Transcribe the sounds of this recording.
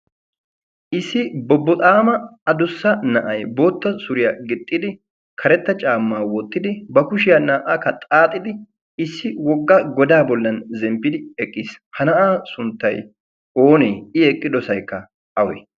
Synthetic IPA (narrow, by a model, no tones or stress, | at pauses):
ʔɪsːɪbɔbːɔt̪ʼaːmɐɐd̪ʊsːɐnɐʔɐjbo̞ːt̪ːɐsʊɾɪjaɡɪt̪ʼːɪd̪ɪ | kʰɐɾɛt̪ːɐt͡ʃʼaːmːaːwɔt̪ːɪd̪ɪbɐkʊʃɪjanaːʔaːkːɐt̪ʼaːt̪ʼːɪd̪ɪ | ɪsːɪwɔɡːɐɡɔd̪aːbɔlːɐnzɛmpːɪd̪ɪɛkʼːiːshɐnɐʔaːsʊnt̪ːɐj | o̞ːneːɪɛkʼːɪd̪ɔsɐjkːɐ | ɐwɛ̰